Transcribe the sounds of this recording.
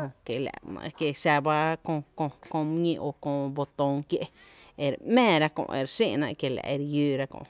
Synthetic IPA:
õ˧kje˨lʲa̰˨ʔn̰˧kje˧ʃa˧ba˦kõ˧kõ˧kõ˧mɲĩ˧ʔo˧kõ˧bo˧t̪õ˧ŋkje˦ʔ | e˨ɾmẽː˦˨ɾa˦kõ̰˧ʔʔe˧˨ɾsĩ˦˨nã̰˧ʔkje˨la̰˨ʔe˧ɾjuː˦ɾa˦kõ̰˧˨

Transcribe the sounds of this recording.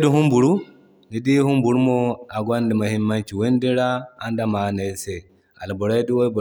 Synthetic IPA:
du˦ɦu˦mbu˨ɾu˦ | ni˦di˦hu˦mbu˨ɾu˦mo˦a˨ɡʷa˦ndi˨ma˨hi˦mːa˦nt͡ʃi˨we˦ndi˦ɾaː˦nda˨ma˨ne˨se˨ | a˨lbo˨ɾa˦du˦wo˦b

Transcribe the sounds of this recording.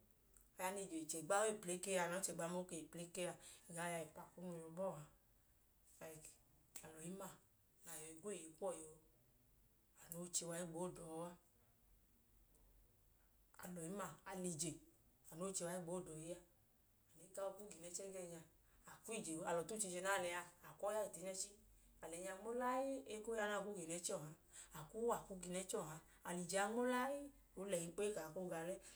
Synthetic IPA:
a˨ja˧ni˧˨d͡ʒe˨i˨t͡ʃe˨ɡ͡ba˦we˦i˨ple˨˦ke˦a˧˨nɔ˨˦t͡ʃe˨ɡ͡ba˨˦mo˦ke˨i˨ple˨˦ke˦a˨ɛ˨ɡa˨˦ja˧ji˨pa˨ku˦nu˧ɔ˧bɔ˦˨a˨ | fa˧˨k | a˨lɔ˨ji˨˦ma˨ | na˨jɔ˨i˨ɡʷo˦˨i˨ku˦ɔ˦˨jo˨ | a˨no˨˦t͡ʃe˧wa˧i˦ɡ͡bo˨˦˨dɔ˨˦a˦ | a̰˨lɔ˨ji˨˦ma˨a˨ni˧d͡ʒe˨a˨no˨˦t͡ʃe˧wa˧˦i˦ɡ͡bo˨˦˨dɔ˨ji˦a˧ | a˨ne˨˦ka˦wɔ˧ku˦ɡi˨nɛ˨˦t͡ʃɛ˦ɡɛ˦˧˨ɲa˧ | a˨ku˦i˦˨d͡ʒe˨˦a˨lɔ˨to˦t͡ʃi˧d͡ʒe˧˦na˦˨lɛ˧˨a˧a˨kɔ˦a˦i˨te˨˦ɲɛ˦t͡ʃi˦a˨lɛ˨ɲa˧ŋ͡mo˦la˦ji˦e˦ko˦a˧na˦˨ku˦ɡi˨nɛ˨˦t͡ʃɔ˦˨ɦa˧ | a˨ku˦a˨ku˨˦ɡi˧nɛ˨˦t͡ʃɔ˦˨ɦa˨˧ | a˨li˨d͡ʒe˨a˧ŋ͡mo˦la˦ji˦ | o˨˦lɛ˨i˧˦k͡pe˦ka˨ko˦ɡa˧lɛ˦

